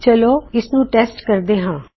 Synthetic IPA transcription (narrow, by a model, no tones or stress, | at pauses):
t͡ʃəloːɪsnũːʈɛːsʈkəɾd̪eːɦãː